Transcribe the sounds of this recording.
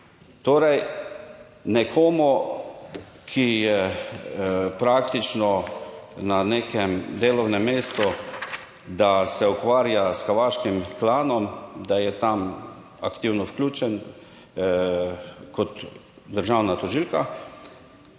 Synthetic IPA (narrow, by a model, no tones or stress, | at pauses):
t̪oːɾɛj | nɛkʰoːmu | kʰijɛ | pɾakt̪it͡ʃnɔ | naneːkɛmd̪eːlɔwnɛmːeːst̪ɔ | d̪asɛukʋaːɾjasxaɾʋaːʃkimklaːnɔmd̪ajɛt̪am | akt̪iwnɔfklʲuːt͡ʃɛn | kɔt̪ | d̪əɾʒawnat̪ɔʒilka